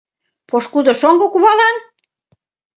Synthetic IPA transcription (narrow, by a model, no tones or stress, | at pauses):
poʃkud̪oʃoŋɡokuβɑlɑn